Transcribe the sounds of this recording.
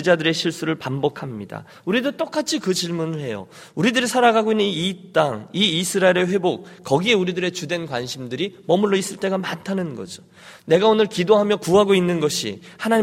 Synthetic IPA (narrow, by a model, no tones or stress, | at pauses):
ɯd͡ʑadɯɾe̞ɕʰiɭs͈uɾɯɭpambʌkʰamɲida̰ | uɾidot͈ok͈at͡ɕʰikɯt͡ɕiɭmunɯɭhe̞jo̰ | uɾidɯɾisʰaɾaɡaɡoinːɯniit͈aŋiːsʰɯɾaeɾe̞ɸwe̞bok̚kʌɡie̞uɾidɯɾe̞t͡ɕudwe̞nkwanɕʰimdɯɾimʌmuɭːois͈ɯɭt͈e̞ɡamantʰanɯnɡʌ̰d͡ʑo̥ | ne̞ɡaonɯɭkidoɦamjʌkuɦaɡoinːɯnɡʌɕʰḭhanaɲ